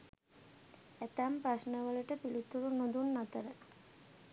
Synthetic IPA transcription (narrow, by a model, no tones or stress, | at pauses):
et̪ampɾaʃnəʋələʈəpilit̪uɾunod̪unːat̪əɾə